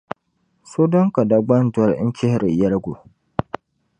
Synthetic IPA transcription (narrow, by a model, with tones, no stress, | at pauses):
so˦dɔ˦ŋka˨da˦ɡ͡ba˦n˦dwɔ˦ɾɲ̩˦kɪ˦hɾɨ˨jɛ˦ɾɡo˨